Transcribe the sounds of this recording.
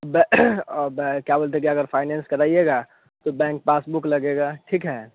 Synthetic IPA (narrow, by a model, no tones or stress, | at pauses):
bɛbkjabəlt̪ekiɐɡəɾpʰaːɪnɛ̃nskɐɾaːieɡa | t̪obɛ̃ːŋk̚paːsbuklɐɡeɡaʈʰikɦɛː